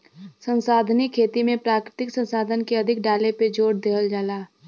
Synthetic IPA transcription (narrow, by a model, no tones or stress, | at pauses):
sə̃nsaːd̪ʱnɪkʰːeːt̪imẽpɾaːkɾɪt̪ɪksə̃nsaːd̪ʱənkeɐd̪ʱɪkɖaːleped͡ʒoːɽd̪eɦəld͡ʒaːlaː